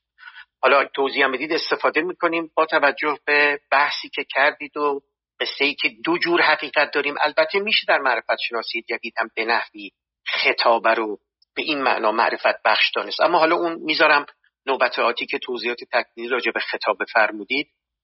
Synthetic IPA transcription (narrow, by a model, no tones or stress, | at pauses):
hɒːlɒt̪ʰoziːhæmbe̞d̪iːd̪e̞st̪e̞fɒːd̪e̞miːkʰo̞niːmbɒːt̪ʰævæd͡ʒːohb̥eb̥æhsiːcʰecʰæɾd̪iːd̪o | ɢ̥e̞sːe̞iːcʰe̞d̪od͡ʒuːɾhæɣiːɢæt̪̚d̪ɒːɾiːmʔæ̰lbæt̪ʰːe̞miːʃe̞d̪æɾmæʔɾe̞fæt̪ʃe̞nɒːsiːjed͡ʒæd̪iːd̪̥hæmbe̞næhviː | xe̞t̪ʰɒːbæɾo | b̥e̞ʔiːnmæ̰ʔnɒːmæ̰ʔɾe̞fæt̪̚bæχʃd̪ɒːne̞st̪ʔæ̰mːɒːɦɒːlɒːʔuːnmiːzɒːɾæm | noːbæt̪ʰɒːt̪ʰiːcʰe̞t̪ʰowziːɒːt̪ʰe̞t̪ʰækʰliːniːɾɒːd͡ʒe̞be̞xe̞t̪ʰɒːbe̞fæɾmuːd̪iːd̪̥̚